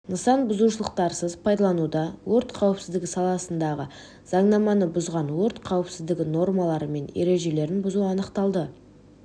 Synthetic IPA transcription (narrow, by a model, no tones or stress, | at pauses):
nəsɑnbʊzuʃəlˠəqt̪ɑɾsəzpʰɑjd̪ɑlˠɑnud̪ɑwoɾt̪qʰɑwɪpsɪzd̪ɪɡʲɪsɑlˠɑsənd̪ɑʁə̰ | z̥ɑɴnɑmɑnəbʊzʁɑnwoɾt̪qʰɑwəpsɪzd̪ɪɡʲɪno̞rmɑlˠɑɾəme̞neɾe̞ʒe̞le̞ɾɪnbʊzuɑnəqt̪ɑlˠd̪ə